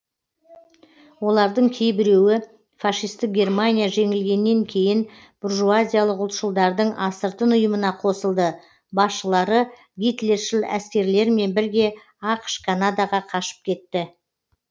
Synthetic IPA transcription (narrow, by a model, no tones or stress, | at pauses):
wo̞lˠɑɾd̪əɴkʲʰe̞jbɪɾe̞wɪ | fɑʃijst̪ək̚ɡʲe̞rmanʲijaʒe̞ŋɪlɡʲe̞nːe̞ŋkʲʰe̞jɪn | b̥ʊrʒuazʲijalˠəqʊlˠt̪ʃəlˠd̪ɑɾd̪əɴʔɑsəɾt̪ənʊjəmənɑqʰo̞səlˠd̪ə | bɑsʃəlˠɑɾə | ɡʲijt̪lʲe̞rʃɪlˠæ̰skʲe̞ɾle̞ɾme̞nbɪɾɡʲe̞ | ɑqə̥ʃkʰanad̪aʁɑqʰɑʃə̥p̚kʲʰe̞t̪ːɪ